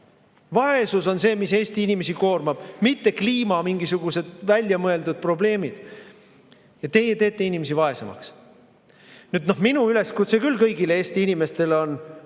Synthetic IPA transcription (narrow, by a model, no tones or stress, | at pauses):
vɑe̞suso̞nse̞ːmise̞ːst̪iinʲime̞siko̞ːrmɑb̥mit̪ːe̞kliːmɑmiŋɡisuɡ̥use̞d̪̥vælʲjɑmɤe̞ld̪ud̪̥̚pro̞ble̞ːmid̪̥ | jɑt̪e̞jet̪e̞ːt̪ːe̞inime̞s̬ivɑe̞semɑ̰ks | nyd̪̥no̞hminuyle̞skut̪sekylːkɤjɡileeːst̪iinime̞st̪e̞leo̞n